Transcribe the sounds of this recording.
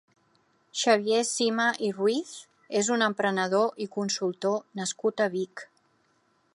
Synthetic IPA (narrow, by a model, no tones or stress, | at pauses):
ʃəβjesiməʔirwiθ | ezunəmpɾənəð̞oʔikunsulˠt̪onəskut̪əβik